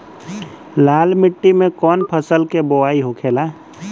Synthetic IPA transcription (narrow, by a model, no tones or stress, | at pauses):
laːlmɪʈːimẽkɔːnpʰəsəlkeboaːiɦokʰeːlaː